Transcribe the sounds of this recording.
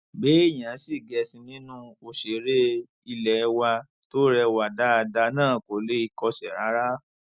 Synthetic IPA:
be˨˦i˦˨j̃ã˨˦si˦˨ɡɛ˧sĩ˧nĩ˦nũ˦o˧ʃe˨˦ɾe˦ | i˧lɛ˨˧wa˧ | to˦ɾɛ˧wa˨da˨˦a˧da˧nãː˦˨ko˨˦le˦i˧˨kɔ˧ʃɛ˨ɾa˨˦ɾa˦

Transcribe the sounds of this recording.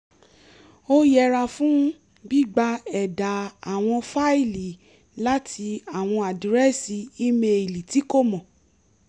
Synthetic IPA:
o˦jɛ˦˧ɾa˧fũ˦ | ɡ͡bi˦ɡ͡ba˧ɛ˨da˨a˨w̃ɔ̃˧fa˦i˦˨li˨˦ | la˦tʰi˧a˨w̃ɔ̃˧a˨di˨ɾɛ˦si˧i˦me˧i˨li˨ti˨˦ko˦˨mɔ̃˨

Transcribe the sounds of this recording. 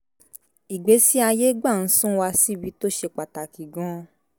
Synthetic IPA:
i˨ɡ͡be˨˦si˦a˧je˦ɡ͡ba˦˨n̩˨˦sũ˦wa˧si˦˨bi˨˦to˦ʃe˧k͡pa˨ta˨ki˨ɡɔ̃˦

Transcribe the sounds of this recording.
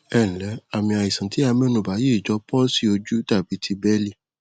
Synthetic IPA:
ɛ˦˨ñ̩˨lɛ˨˦a˨mĩ˧a˨ji˨sã˨˦ti˨˦a˧mɛ̃˦nũ˨ba˨˦je˦˨d͡ʒɔ˧˦pɔ˦si˦o˧d͡ʒu˦ta˦˨b̥i˨˦tʰi˧bɛ˦li˦˨

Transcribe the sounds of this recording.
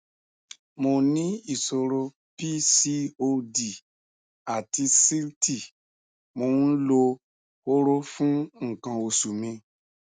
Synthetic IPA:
mo˨nĩ˦i˨so˧ɾo˧ | pi˦si˦o˧di˨ | a˨ti˧si˦lti˦˨ | mõ˧˦lo˧ | wo˦ɾo˦fũ˦ŋ̩˨kã˨wo˨su˨mĩ˧

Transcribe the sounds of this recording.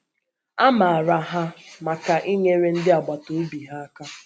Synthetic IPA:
a˦ma˨a˨ɾa˨ɦa˦ma˨ka˨ʔi˦ɲe˦ɾe˦n̩˦dɪ˦a˨ɡ͡ba˨to˨˦bi˨ɦa˦a˦ka˦

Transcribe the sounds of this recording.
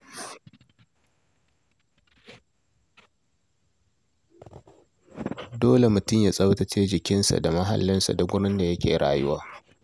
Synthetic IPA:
doː˦le˨mʊ˨tʊ˦mjaː˨sʼɐ˦wtɐ˨t͡ʃeː˦d͡ʒɪ˨kʲɪ˦nsa̰˨da˨mɐ˦ɦa̰˨lːɪ˦nsa̰˨dɐ˦ɡʷʊ˦ɽɪ˦nda˨jɐ˦kʲḛː˨ɽa̰ː˨jʊ˦waː˦

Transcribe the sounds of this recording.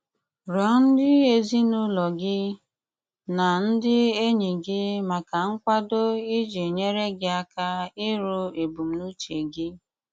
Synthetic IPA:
ɾɔ˨˦n̩˦dɪ˦e˦zi˦nʊ˦lɔ˨ɡɪ˦ | na˨n̩˦dɪ˦e˦ɲi˨ɡɪ˦ma˨ka˨ŋ̩˦kʷa˦do˦ɪ˦d͡ʒe˨ɲe˦ɾe˦ɡɪ˦a˦ka˦ɪ˦ɾʊ˦e˨bu˨m̩˨nu˦t͡ʃe˨ɡɪ˦

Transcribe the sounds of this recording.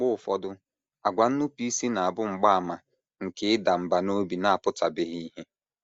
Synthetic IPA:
k͡pʊ˦˨fɔ˦dʊ˦ | a˨ɡʷa˨n̩˦nʊ˦pi˦i˦si˦na˨a˨bʊ˦ŋ͡m̩˨ɡ͡ba˦a˨ma˨ | ŋ̩˨kɪ˨˦ɪ˦da˨m̩˨ba˨no˦bi˨na˦a˨pʊ˦ta˨bɪ˦ɦi˦ɦe˦

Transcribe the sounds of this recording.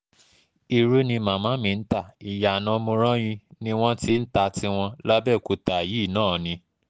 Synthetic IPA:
i˧ɾu˦nĩ˧mã˨mãː˨˦mĩ˧n̩˦ta˦˨i˨ja˨nã˧mõ˧ɾ̃ã˦j̃ĩ˧nĩ˦w̃ɔ̃˦ti˦n̩˦ta˧ti˦w̃ɔ̃˧la˦bɛ˦˨ko˨˧ta˨ji˨˦˨nãː˦˨nĩ˧

